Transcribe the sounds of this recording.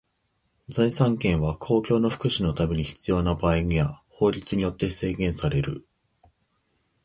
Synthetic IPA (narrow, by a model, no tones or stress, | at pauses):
d͡zaisãŋkẽ̞ɰ̃βakʰo̞ːkʲo̞ːno̞ɸɯ̟̥kɯ̟ɕino̞t̪ame̞ɲ̟içi̥t͡sɨjo̞ːnabaːiɲ̟iβaho̞ːɾʲit͡sɨɲ̟ijo̞t̪ːe̞se̞ːɡẽ̞ɰ̃saɾe̞ɾɯ̟